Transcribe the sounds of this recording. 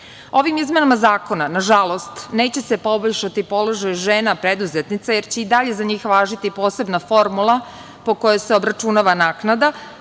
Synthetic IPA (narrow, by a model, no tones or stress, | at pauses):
o̞ʋimizme̞namazaːko̞nanaʒalˠo̞st̪ne̞ːt͡ɕe̞se̞po̞boʎʃat̪ipo̞lo̞ʒajʒe̞ːnapɾe̞d̪uzet̪nit̪sajeɾt͡ɕeid̪aʎe̞zaɲiːxʋaːʒit̪ipo̞ːse̞bnafo̞ɾmulˠa | po̞ko̞joseo̞bɾat͡ʃunaːʋanaːknad̪a